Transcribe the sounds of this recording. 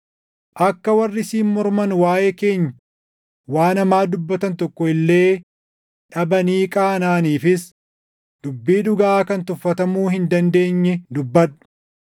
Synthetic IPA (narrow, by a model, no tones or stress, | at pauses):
ʔɐkːɐwɐrːɪsiːmmɔɾmɐnwaːjeːke̞ːɲːɐ | waːnɐmaːd̪ʊbːɐt̪ɐnt̪ɔkːɔɪlːe̞ː | ᶑɐbɐniːkʼaːnaːniːfɪs | d̪ʊbːiːᶑʊɡaaːkɐnt̪ʊfːɐt̪ɐmuːhɪnd̪ɐnd̪e̞ːɲːɛd̪ʊbːɐᶑʊ̥